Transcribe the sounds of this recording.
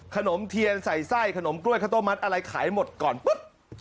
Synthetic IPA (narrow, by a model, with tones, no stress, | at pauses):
kʰa˧no˩˦mt̪ʰi˧ənsa˨˩jsa˥˩jkʰa˧no˩˦mklu˥˩kʰaː˥˩t̪o˥˩ma˦˥t̪̚ʔa˧ɾa˧jkʰaː˩˦jmo˨˩t̪̚kɔː˨˩npɯ˦˥p̚